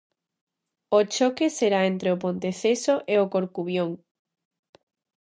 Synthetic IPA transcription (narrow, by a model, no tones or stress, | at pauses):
ot͡ʃokeseɾaent̪ɾeopõnt̪eθesoʔeokoɾkuβjoŋ